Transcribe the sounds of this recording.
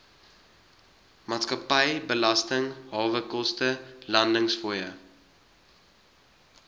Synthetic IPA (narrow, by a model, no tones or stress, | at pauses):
mɑːtskɐpɛjbəlɐstəŋɦɑːvəkɔstəlɐndəŋsfuːjə